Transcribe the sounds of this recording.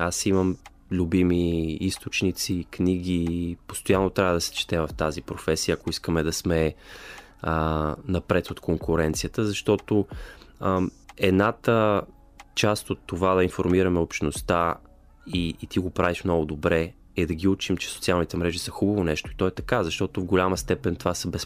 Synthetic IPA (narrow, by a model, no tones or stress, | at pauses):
asiməm | lʲubimiist̪ot͡ʃnit̪sikniɡipo̥st̪ojanːot̪ɾʲavəd̪ɐsɛ̥t͡ʃɛ̥t̪ɛvɐft̪azipɾofɛsijəɐːkoiskəmɛd̪ɐsmɛ | ənɐpɾɛt̪ot̪koŋkʊɾɛnt̪sijət̪əzɐʃt̪ɔt̪o | ɛd̪nat̪ə | t͡ʃast̪ot̪ːovad̪ɐinfoɾmiɾɐmɛopʃnost̪a | iːt̪iɡopɾaviʃmnɔɡʊd̪obɾɛ | ɛd̪ɐɡʲiut͡ʃimt͡ʃɛ̥sot̪sialˠnit̪ɛmɾɛʒisəxubɐvonɛʃt̪oit̪ɔɛt̪ɐkazɐʃt̪ɔt̪ovɡolʲaməst̪ɛpɛnt̪ovasəbɛs